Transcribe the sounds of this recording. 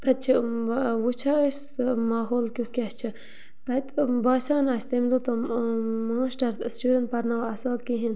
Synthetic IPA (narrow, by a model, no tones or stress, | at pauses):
t̪ɐt͡ʃʰiwut͡ʃʰas | maːɦoːlkʲut̪kʲast͡ʃʰi | t̪ɐit̪baːsaːnast̪emd̪ut̪ɐmaːsʈɐɾst͡ʃuɾɐnt̪̚pɐɾnawɐsaːlkiɦin